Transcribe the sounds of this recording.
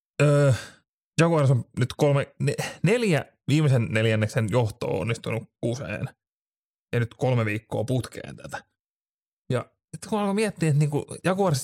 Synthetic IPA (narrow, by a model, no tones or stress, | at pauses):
əː | jɑkuɑrsomnyt̪kolmeneneljæ | ʋiːmesenneljænːeksenjoht̪o̰ːo̰nːist̪unukkusḛːn | jɑnyt̪kolmeʋiːkːo̰ːput̪kḛːnt̪æt̪æ̥ | jɑ̰ | sit̪ːkunɑlkomiɛt̪ːiet̪niːŋkujɑkuɑrs